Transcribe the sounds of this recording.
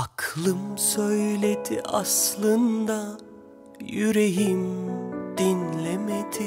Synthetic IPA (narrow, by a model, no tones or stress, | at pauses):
akʰlˠɯmsøjlʲed̪ḭʔaslˠɯnd̪a | jyɾeɦimd̪̥inlʲemet̪ʰi